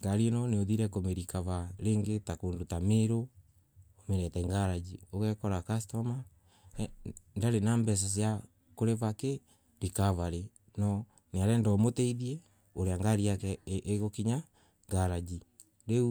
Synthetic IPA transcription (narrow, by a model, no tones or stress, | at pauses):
ŋɡaɾienɔneoðiɾɛkomeɾikaβaɾeːŋɡetakondotameɾo | omeɾɛtɛŋɡaɾad͡ʒioɣɛkɔɾakastɔma | ndaɾenambɛs̬asja | koɾeβake | ɾikaβaɾe | nɔ | neaɾɛndɔmotɛiðiɛ | oɾeaŋɡaɾiakɛʔːɣokiɲa | ŋɡaɾad͡ʒi | ɾeu